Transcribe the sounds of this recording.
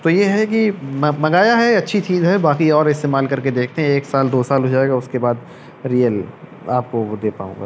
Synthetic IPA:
t̪ojeɦɛk̬immɐɡaːjaɦɛɐtːʃʰit̪ʰĩːd͡ʒoɦɛbaːkiɔːɾɪst̪eːmaːlkɐɾked̪eːkʰt̪eɦɛ̃eːksaːld̪oːsaːlɦod͡ʒaːeːɡaʊskebaːd̪ | ɾijəl | a̰ːp̚kod̪eːpa̰ːõ̰ːɡa̰ː

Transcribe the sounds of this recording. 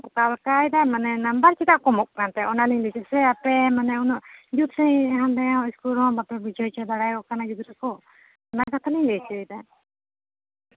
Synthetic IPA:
ɔkalkajd̪amanɛnambaɾt͡ʃɛt̪aʔkɔmɔk̚kant̪ɛʔɔnaliɲlɛt͡ʃɛsɛapɛmanɛunɔʔd͡ʒud̪sɛɦand̪ɛjaɔiskulɔ̃mbapɛbid͡ʒɔjt͡ʃɔd̪aɽajkɔkanad͡ʒud̪ɾakɔ | ɔnakat̪ʰaliɲlɛt͡ʃɛjd̪a

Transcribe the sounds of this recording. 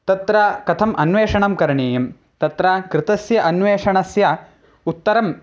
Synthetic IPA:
t̪ɐt̪ɾɐkɐt̪ʰɐmʔɐnʋeːʂɐɳɐmkɐɾɐɳeːjɐm | t̪ɐt̪ɾɐkɾɪt̪ɐsjɐʔɐnʋeːʂɐɳɐsjɐ | ut̪ːɐɾɐm

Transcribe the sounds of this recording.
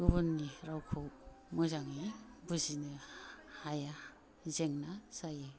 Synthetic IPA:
ɡuβnːiɾawkʰow | mɔzaŋibuzinɯhaja | zeŋnasaje

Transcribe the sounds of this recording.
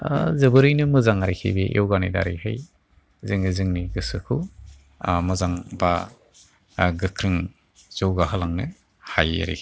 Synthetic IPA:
zɯbɯɾɯjnɯmɯzaŋaɾikʰḭbeʔewɡanida̰ɾḭhɯj | zɯŋnɯzɯŋniɡɯsɯkʰɯ | mɯzaŋba | ɡɯkʰɾɯŋ | z̥ɔwɡaɦɯlaŋnɯ | haja̰ɾḭkʰ

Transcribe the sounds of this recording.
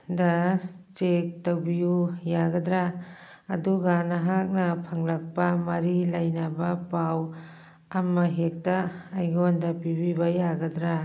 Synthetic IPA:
dɐt͡ʃek̚tawbiujaɡɐdɾaː | duɡanaɦak̚nɐpʰɐŋlɐk̚pɐmɐɾilɐjnɐbɐpaw | ɐmːɐɦek̚tɐːjɡondɐpibibɐjaɡɐdɾa

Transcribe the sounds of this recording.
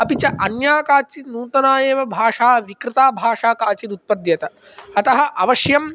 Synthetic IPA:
ɐpit͡ʃɐʔɐnjaːkaːt͡ʃinuːt̪ɐnaːjeːʋɐbʱaːʂaːʋikɾɪt̪aːbʱaːʂaːkaːt͡ʃiɾut̪̚pɐd̪jɐt̪ɐ | ɐt̪ɐɦɐ̆ʔɐʋɐʃjɐm

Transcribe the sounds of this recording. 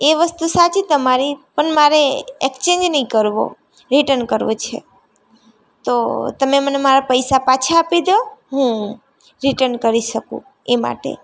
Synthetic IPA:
eʋəst̪usat͡ʃit̪əmaɾipəɳmaɾeekt͡ʃend͡ʒnəɦĩkəɾʋo̰ | ɾiʈənkəɾʋṵ̃t͡ʃʰḛ | t̪ot̪əmemənemaɾapəjsapat͡ʃʰaːpid̪oɦũ | ɾiʈənkəɾiʃəkṵ̃ | ema̰ʈḛ

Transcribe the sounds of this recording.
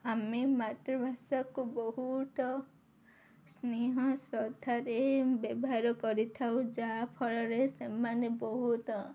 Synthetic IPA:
amemat̪ɾɔbʱasakubɔɦut̪ɔ | sneɦɔsɾɔd̪ʱaɾebjɔbɔɦaɾɔkɔɾit̪ʰawd͡ʒapʰɔɭɔɾesemanebɔɦut̪ɔ

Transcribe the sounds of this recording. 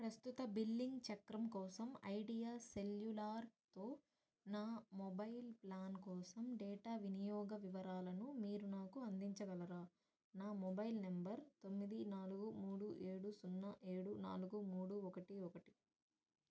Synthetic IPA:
pɾɐst̪ut̪ɐbilːiŋɡt͡ʃɐkɾɐmkɔːsɐmɐ̰jɖijaːseljulaːɾt̪oː | naːmɔbɐjlplaːnkɔːsɐmɖɛːʈaːʋinijɔːɡɐʋiʋɐɾaːlɐnumiːɾunaːkuɐnd̪iɲt͡ʃɐɡɐlɐɾaː | naːmɔbɐjlnɐmbɐɾt̪o̞mːid̪inaːluɡumuːɽuʔeːɽusunːɐʔeːɽuna̰ːluɡumuːɽuɔkɐʈiɔkɐʈi̥

